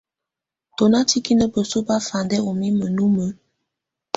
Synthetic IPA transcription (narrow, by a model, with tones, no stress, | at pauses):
to˨na˦ti˦ki˦nə˦bə˨su˦ba˦fa˨ndɛ˦o˨mi˦mə˨nu˦mə˨˦